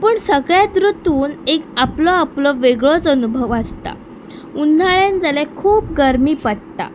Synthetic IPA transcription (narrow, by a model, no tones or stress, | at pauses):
pəːɳsəɡɭjad̪ɾut̪uːnekaplɔaplɔʋeɡɭɔt͡sənubʱəʋast̪a̰ | unːaɭjand͡zalakʰuːp̚ɡəɾmiːpəɽt̪a̰